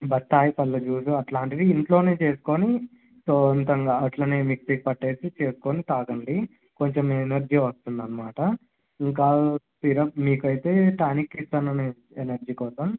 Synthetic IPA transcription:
bɐtt̪ːaːjipɐlːɐt͡ʃuːs̬uɐʈlaːɳʈid̪iːɳʈloːne̞ːt͡ʃe̞ːsu̥ko̞ni | soːnt̪ɐŋɡaːɐʈlɐneːmiksik̚pɐʈːe̞ːsit͡ʃe̞ːsu̥konit̪aːɡɐɳɖi | ko̞ɲt͡ʃomenɐɾd͡ʒiʋɐst̪und̪ɐnːɐmaːʈɐ | iŋkaː | piɾɐp̚miːkɐjt̪e̞ːʈaːnikːisʈ̪ɐnɐne | enɐɾd͡ʒiːkɔːsɐm

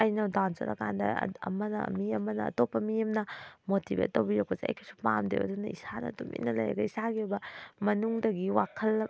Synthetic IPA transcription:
ɐjnɐwdansɐ̰ɾɐ̰kʰa̰ndɐ̰ɐ̰mɐnɐ̰mijɐmːɐnɐ̰ːtopːɐmijɐmnɐmotibḛt̚ːowbiɾak̚pɐseɐ̰jkʰi̥su̥pa̰mdḛwo̰dunɐisanɐ̰tumʔḭnɐlɐ̰jḛɡɐisaɡibɐmɐnuŋdɐɡiwakʰɐlːɐ

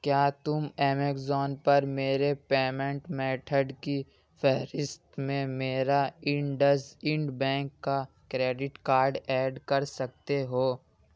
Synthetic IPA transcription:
kjaːt̪ʊmeːmekzɔːnpɐɾmeːɾepeːmẽɳʈmɛːʈʰəɖki | fʰɛɦɾɪst̪mẽmeːɾaɪ̃ɳɖəsɪ̃ɳɖbɛ̃ːŋkːa | kɾeːɖɪʈkaːɾɖɛːɖkɐɾsɐk̚t̪eɦoː

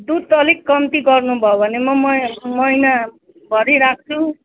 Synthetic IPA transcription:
d̪ud̪̚ʌlikːʌmt̪iɡʌrnubʱʌobʱʌnemʌmʌmʌjna | bʱʌɾiɾak̚t͡sʰu

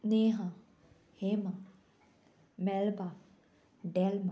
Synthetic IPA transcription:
neɦã | hemã | mɛlba | ɖɛlma

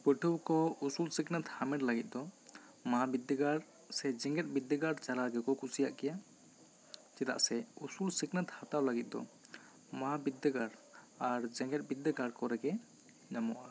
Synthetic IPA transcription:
pəʈʰəwkɔusulsiknat̪hamɛʈlaɡit̪̚ˀd̪ɔ | maabid̪ːəɡaɽ | sɛd͡ʒɛ̃ŋɡɛt̪̚bid̪ːəɡaɽt͡ʃalaɡɛkɔkusijaʔkɛja | t͡ʃɛt̪a̰ʔsɛusulsiknat̪hat̪awlaɡit̪̚ˀd̪ɔ̰ | maabid̪ːəɡaɽ | aɾd͡ʒɛŋɡɛt̪̚ˀbid̪ːəɡaɽkɔɾɛkɛ | namɔ̰ʔa

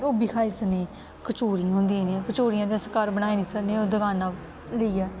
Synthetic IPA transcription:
obiːkʰaːiːt͡ʃəneː | kət͡ʃoːɾiãɦõːnd̪iãːnẽkət͡ʃoːɾɪjãːd̪eəsəkaːɾbənaːeːnĩːsəneːoːd̪əɡaːnaː | ləiːɛː

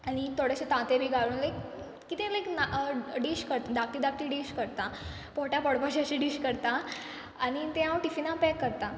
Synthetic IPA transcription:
aɽ̃it̪ʰoɽeɕet̪ãt̪ebʱiːɡʱaɽuːnlajk | kːit̪ẽlajknaɖiɕkəɾt̪ad̪ak̚t̪iːd̪ak̚t̪iɖiɕkəɾt̪a | poʈjapəɽpaɕiəɕiɖiɕkəɾt̪a | añit̪ẽɦãwʈifinapɛkːəɾt̪a

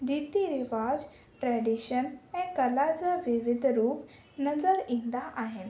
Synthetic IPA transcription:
ɾiːt̪iɾɪʋaːd͡ʑ | ʈɾɛɖiʃənɛ̃ːkɐlad͡ʑaʋɪʋɪd̪ʱɾuːp | nɐzəɾĩnd̪aʔaːɦɪn̆

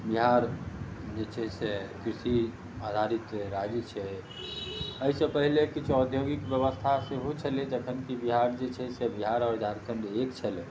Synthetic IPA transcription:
biɦaɾd͡ʒet͡ʃʰɛsekɾisi | ad̪ʱaɾit̪ɾaɡit͡ʃʰɛ | əisə̃pəɦilekit͡ʃʰɔd̪ʱjoɡikbjəβəst̪ʰaseɦot͡ʃʰəled͡ʒəkʰənkibiɦaɾd͡ʒet͡ʃʰɛsebiɦaɾɔːɾd̪ʱaɾkʰənɖeekt͡ʃʰɛle

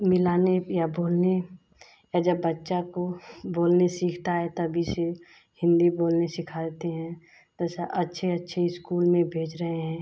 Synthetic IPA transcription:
mɪlaːnejaboːlne | ɛd͡ʒəbːətːʃakoboːlnesiːkʰt̪aɦɛt̪əbʱise | hɪ̃nd̪iboːlnesɪkʰaːlt̪eɦɛ̃ | t̪osaʔɐtːʃʰeɐtːʃʰeɪskuːlmẽbʱeːd͡ʒɾəɦeɦɛ̃ː

